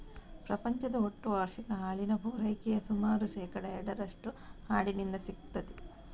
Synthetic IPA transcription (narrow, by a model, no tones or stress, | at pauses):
pɾɐpɐɲt͡ʃɐd̪ɐoʈːuʋaːɾʂinɐɦaːɭinɐbʱuːɾɐjkɛjɐsumaːɾuʃɛːkɐɽɐɛɽɐɾɐʂʈuhaːɭinind̪ɐsikt̪ːɐd̪i